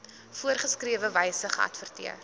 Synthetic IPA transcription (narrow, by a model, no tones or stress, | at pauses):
fuərχəskriəvəvɛjsəχəʔɐ̰tfərtiər